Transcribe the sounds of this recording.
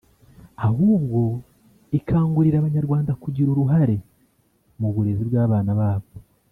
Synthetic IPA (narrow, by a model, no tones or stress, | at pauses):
ahuːbɡo̞ | ikʰaːŋɡuɾiɾaːβaɲaɾɡwaːndakuɟiɾoɾuɦaɾe̞ | muβuɾe̞ziβɡaːβaːnaβaːβo